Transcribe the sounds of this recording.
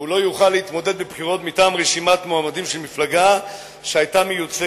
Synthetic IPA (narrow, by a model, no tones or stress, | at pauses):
ulo̞juχalːeit̪mo̞de̞d̪̚bebχiʁo̞t̪mitaːmʁeʃimatmoamadimʃelmiflaɡa | ʃeajtamejut͡se